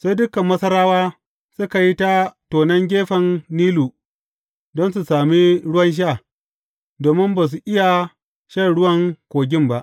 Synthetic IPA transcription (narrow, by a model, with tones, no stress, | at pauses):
sa˦jdʊ˦kɐ˨mːɐ˦sɐ˦ɾaː˦waː˦ | sʊ˦ka˨ji˦ta˦toː˨nɐ˦ŋɡʲeː˦ɸɐ˨nːiː˦luː˨ | dɔ˦ns̬u˨saː˨mi˦ɽʊ˦wɐ˦nʃ̬a˦˨ | doː˨mɪ˦mbaː˨s̬u˨ʔɪ˦ja˨ | ʃɐ˦˨ɽʊ˦wɐ˦ŋkʷoː˨ɡʲɪ˦mba˦ʔ